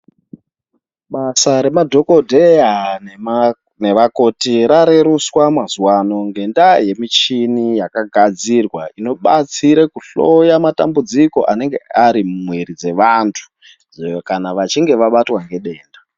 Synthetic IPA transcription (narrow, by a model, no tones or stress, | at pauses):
ɓasaɾe̞madʱo̞kodʱean | ne̞ʋako̞tiɾaɾe̞ɾuswamazuwano̞ŋɡe̞ndaje̞mit͡ʃinijakaɡʱad͡zirwaino̞ɓat͡siɾekuɬojamata̰mbud͡ziko̞̰ʔane̞ŋɡe̞aɾimwiɾid͡ze̞ʋantʰu̥ | kanaʋat͡ʃiŋɡe̞ʋaɓatwaŋɡe̞ɗe̞ːnda